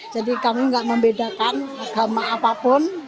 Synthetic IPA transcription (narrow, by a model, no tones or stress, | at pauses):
d͡ʒadikamiŋɡaʔməmbedakanaɡ̥a̤maːpapʊn